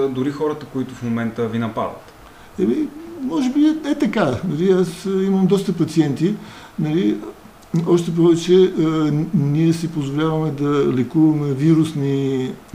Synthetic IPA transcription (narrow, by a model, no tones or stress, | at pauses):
d̪ʊɾixɔɾət̪əkoit̪ʊfmomɛnt̪əvinɐpa̰d̪ə̰t̪ | ɛmimɔʒɛbiɛt̪ɐkanɐliasimɐmd̪ɔst̪əpɐt̪siɛnt̪i | nɐli | ɔʃt̪ɛp̬ɔvɛt͡ʃɛ | niɛsipozvolʲavɐmɛd̪ɐlɛkuvɐmɛviɾusni